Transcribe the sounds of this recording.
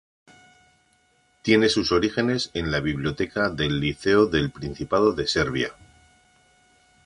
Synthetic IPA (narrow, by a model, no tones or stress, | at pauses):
t̪jene̞suso̞ɾixe̞ne̞se̞nlaβ̞iβljo̞t̪e̞kaðe̞lːiθe̞oðe̞lpɾin̟θipað̞o̞ðe̞se̞ɾβ̞ja̰